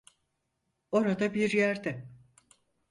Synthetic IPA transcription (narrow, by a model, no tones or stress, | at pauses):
o̞ɾad̪abiɾjæɾd̪ɛ